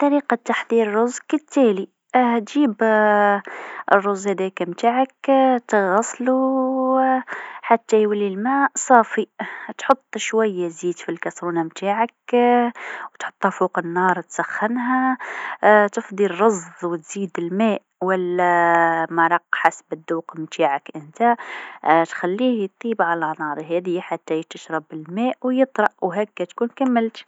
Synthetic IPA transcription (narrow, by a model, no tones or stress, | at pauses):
t̪ˤːɑɾiːqɑt̪ːaħd̪iːɾrˤʊzkət̪ːæli | t̪ʒiːb | ərˤːʊzˤːhæd̪ækmt̪aːʕəkt̪ɣɑsˤlu | ħat̪ːæjwəlːilmæʔsˤɑːfit̪ħʊt̪ˤːʃwajːæziːd̪filkɑsɾuːnamt̪aːʕək | wt̪ħo̥t̪ˤːæfuqənːɑɾˤt̪sæxːənɦæ | t̪əfd̪ˤirɑzðˤwət̪z̥id̪əlmæʔwælːæmɑɾˤɑqːħasbəd̪ːuːqmt̪ʰaʕəkʔənt̪æ | t̪xælːihjt̪ˤibʕalænɑɾˤɦæd̪əjaħat̪ːæjət̪ːəʃɾˤɑbəlmæʔwjət̪ˤɾˤɑʔwɦækːæt̪kunkæmːəlt̪